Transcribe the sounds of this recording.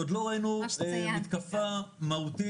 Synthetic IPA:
od̪lo̞ʁainuemit̪kafamaut̪i

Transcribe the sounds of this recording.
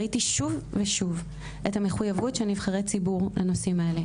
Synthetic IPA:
itiʃuvveʃuv | ʔethame̞χujavutʃenivχaʁet͡sibuʁlʔanosimaele

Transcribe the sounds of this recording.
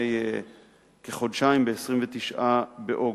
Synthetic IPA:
ej | keχo̞dʃaimbeesʁimvet̪iʃʔabeʔo̞

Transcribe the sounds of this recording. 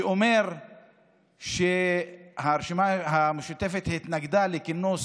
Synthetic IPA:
ome̞ʁ | ʃehaʁeʃimaɦameʃut̪e̞fe̞t̪hit̪naɡd̪alekinos

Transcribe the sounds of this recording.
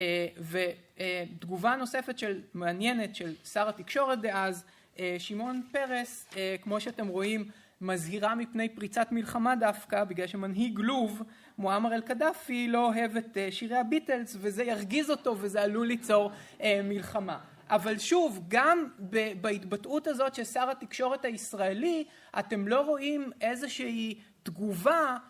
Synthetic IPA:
eved̪ɡuvano̞se̞fet̪ʃelmeanje̞ne̞tʃe̞lsaʁatikʃo̞ʁet̚deʔaz | eʃimo̞npe̞ʁesekmo̞ʃeatemʁo̞imː | azhiʁamipne̞jpʁit͡satmilχamadafkabiɡlalʃe̞manɦiɡluv | moamaʁelkadafilo̞oɦe̞ve̞teʃiʁejabite̞lzvezejaʁɡizo̞to̞vezealulit͡so̞ʁemilχama | ʔavalʃuvɡambebaitbatʔutazo̞tʃesaʁatikʃo̞ʁe̞thaisʁae̞li | ʔa̰te̞mlo̞ʁo̞imezeʃii | t̪ɡuva

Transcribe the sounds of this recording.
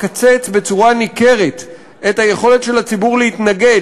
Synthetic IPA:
kat͡se̞t͡sbe̞t͡suʁanike̞ʁet | ethaje̞χo̞le̞tʃe̞lat͡sibuʁleitnaɡe̞

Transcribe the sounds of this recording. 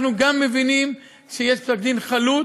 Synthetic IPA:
nuɡamːevinim | ʃejeʃbsak̚d̪inχalu

